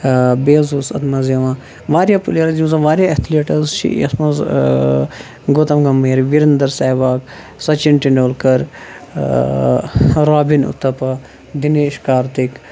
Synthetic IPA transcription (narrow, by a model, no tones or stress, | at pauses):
beːzusɐ̰t̪mɐzjɐʋãː | ʋaːɾijaːpuleɾɐzũzɐʋaːɾijaɐt̪ʰileːʈɐɾzt͡ʃʰḭɐ̰smɐz | ɡot̪ɐmɡɐmːeːɾʋiɾɐnd̪ɐɾsaːʋaːk | sɐt͡ʃinʈinɖoːlkɐɾ | ɾaːbinṵt̪ɐpɐ | d̪ineːʃkaːɾt̪ik